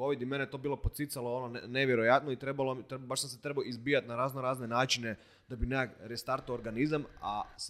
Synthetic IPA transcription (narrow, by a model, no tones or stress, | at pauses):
oʋid̪imenet̪o̞biːlˠo̞pot̪sit̪saloononneʋje̞ɾo̞jat̪noit̪ɾe̞balot̪ebaʃsamset̪ɾebaoizbiːjat̪naɾaːznoɾaːzne̞naːt͡ʃine | d̪̥abineaɡɾest̪aɾt̪ooɾɡanizamas